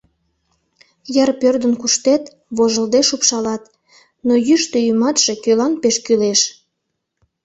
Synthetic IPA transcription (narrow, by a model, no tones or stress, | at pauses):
jɑrpørd̪ənkuʃt̪et̪ | βoʒəld̪eʃupʃɑlɑt̪ | nojyʃt̪øjymɑt̪ʃe̽kølɑnpeʃkyleʃ